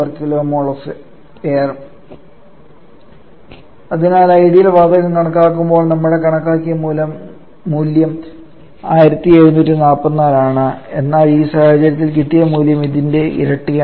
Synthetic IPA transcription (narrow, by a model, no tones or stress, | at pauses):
ɐrkːilomoɭɐsɨ | eːr | ɐðinaːlɐjɽijilʋaːd̪ɐɣɐmkɐɳɐkːaːkːumbo̞ːɭnɐmːuɽe̞kɐɳɐkːaːkːijɐmuːlɐmː | uːljɐm | aːjiɾɐt̪ːieɻunːuːtːinaːpːɐnːaːlaːɳɨe̞nːaːliːsaːhɐt͡ɕɐɾɐt̪̬ːilkiʈːijɐmuːljɐmiðinde̞ʔḭɾɐʈːijɐ